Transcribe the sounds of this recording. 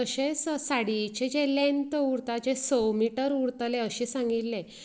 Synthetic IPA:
əɕessaɽit͡ɕed͡ʑelẽnt̪uɾt̪ad͡ʑesɔmiʈəɾuɾt̪leəɕisãŋɡit̪ːẽ

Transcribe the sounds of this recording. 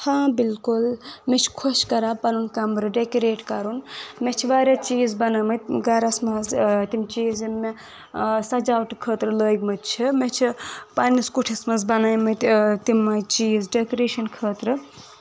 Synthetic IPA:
hʰãbilkulmet͡ʃʰi̥kʰoʃkɐɾapɐnunkɐmɾɨɖekoɾeːʈkɐɾunmet͡ʃʰiʋaːɾʲjat͡ʃiːzbɐnamɨɡɐɾɐsmɐzt̪imt͡ʃiːzmːe | sɐd͡ʒawʈkʰəːt̪ɾɨləːjɡmɨt͡ʃʰimet͡ʃʰipɐniskuʈʰismɐzbɐnaːjmɨt̪imːɐjt͡ʃiːzɖekoɾeːʃɐnkʰəːt̪ɾɨ

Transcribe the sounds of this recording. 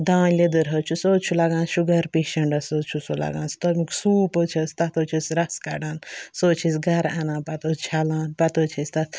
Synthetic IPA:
d̪ãːnled̪ɨɾɦɐt͡ʃʰusoːt͡ʃʰulaɡãːnʃuɡɐɾpeːʃɐɳɖɐsoːt͡ʃʰusula̰ɡã̰ːnst̪ɐmiksuːpət͡ʃʰɐst̪ɐt̪oːt͡ʃʰisɾɐskɐ̰ɖaːnsoːt͡ʃʰisɡɐɾanãːnpɐt̪oːt͡ʃʰalãːnpɐt̪ot͡ʃʰisʲt̪ɐt̪ʰ

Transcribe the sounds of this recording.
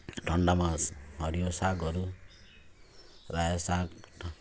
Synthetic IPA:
ɖʱʌɳɖamaɦʌɾijosaɡʌɾu | rasaɡ

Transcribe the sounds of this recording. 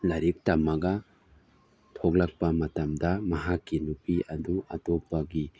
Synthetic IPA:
lɐɾik̚tɐmɐɡɐ | tʰok̚lɐk̚pɐmɐtɐmdɐmɐɦakːinupiʔɐduɐtok̚pɐɡi

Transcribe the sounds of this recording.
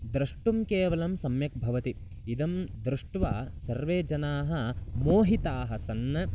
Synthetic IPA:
d̪ɾɐʂʈumkeːʋɐlɐmsɐmjɐk̚bʱɐʋɐt̪i | id̪ɐmd̪ɾuʂʈʋaːsɐɾʋeːd͡ʒɐnaːɦɐ̆moːɦit̪aːɦɐsɐnːɐ

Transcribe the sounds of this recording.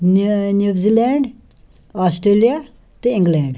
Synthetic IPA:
nnjuːzilɛɳɖ | asʈɾelija | t̪iɪ̃ŋɡlɛ̃ɳɖ

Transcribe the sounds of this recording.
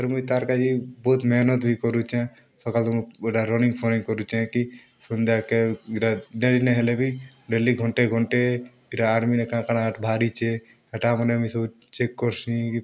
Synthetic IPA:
t̪əɾmuit̪aɾkad͡ʒibot̪mɛːnət̪bʱikɔɾut͡ʃɛ̃ | sɔkalt̪ɔmeʈaɾɔnĩŋɡpʰoniŋkɔɾut͡ʃɛ̃ki | sənd̪ʱjakeɾaɖelineɦelebʱi | ɖeliɡʱɔɳʈeɡʱɔɳʈe | iɾaːɾminekãkanaʈbʱaːɾit͡ʃʰe | əʈamənemisəb | t͡ʃekːɔɾsĩki

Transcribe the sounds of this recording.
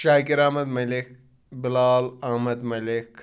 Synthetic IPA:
ʃaːkiɾamɐd̪mɐlɪk | bɪlaːlɐhmɐd̪mɐlɪk

